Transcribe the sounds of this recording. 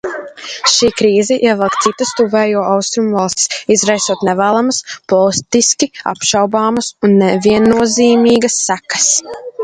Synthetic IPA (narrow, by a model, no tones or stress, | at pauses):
ʃiːkɾiːzɛʔiɛvɛlˠkt̪sit̪əst̪uvɛːjuɔʔawst̪ɾumvɑlˠst̪i̥sizɾajsuɔt̪nɛvæːlˠamɐsplˠɔwst̪iskʲia̰pʃɑwbaːmɐsunːɛviɛnːuɔziːmiːɡɐsːækɐ̥s